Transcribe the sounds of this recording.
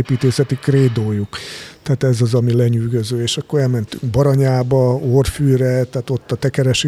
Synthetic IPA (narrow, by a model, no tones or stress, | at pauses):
eːpiːt̪eːsɛt̪ikreːd̪oːjukt̪ɛaːt̪ɛzɒzɒmilɛɲyːɡøzøːeːʃɒkːo̞ɾɛlmɛnt̪y̰ŋɡbɒɾɒɲaːbɒorfyːɾɛt̪ɛat̪o̞t̪ːɒt̪ɛkɛɾɛʃi